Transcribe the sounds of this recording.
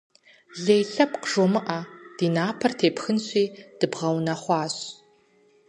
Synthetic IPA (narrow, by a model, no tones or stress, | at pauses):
ɮeːjɬɐpqʒomɨʔad̥iːnaːpʰɐrtʰeːpxɨnɕʼiːd̥ɨbʁɐwnɐχʷɑːɕ